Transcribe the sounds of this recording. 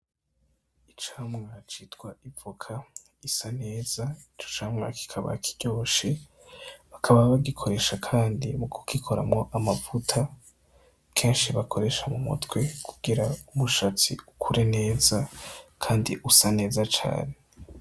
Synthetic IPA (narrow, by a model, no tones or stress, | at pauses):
it͡ʃaːmŋat͡ʃitɡwaʔivukʰa | isane̞ːzait͡ʃo̥t͡ʃaːmŋa̰kʰi̥kʰaβa̰kʰiɟ̥o̞ːʃe | βakʰaβaβaɡikʰo̞ɾe̞ʃakʰaːndimukʰu̥kikʰo̞ɾa̰mŋo̞ʔamavutʰa | kʰe̞ːnʃiβakʰo̞ɾe̞ʃamumṵtwe̞kʰuɡ̥iɾaumuʃat͡sḭukʰuɾene̞ːzakʰaːndiʔusane̞ːzat͡ʃa̰ːne